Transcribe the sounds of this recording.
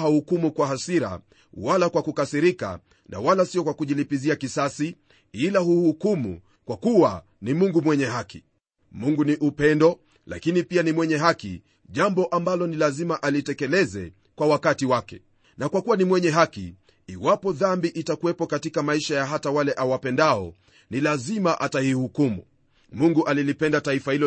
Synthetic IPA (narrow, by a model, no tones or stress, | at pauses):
ahukumukwaɦasiɾa̰ | walakwakukasiɾika̰ | nʔa̰walasiɔkwakuʄilipiziakisasi | ilaɦuhukumṵ | kwakuwa̰ | nimuŋɡumwɛɲɛɦakḭ | muŋɡuniʔupɛndɔ | la̰kinipianimwɛɲɛɦakḭ | ʄambɔʔambalɔnilazimaʔalitɛkɛlɛzɛ̰ | kwawakatiwakɛ̰ | nakwakuwanimwɛɲɛɦakḭ | iwapɔðambiʔitakuwɛpɔkatikamaiʃajaɦatawalɛʔawapɛndaɔ | nilazimaʔatahihukumṵ | muŋɡuʔalilipɛndataifahilɔ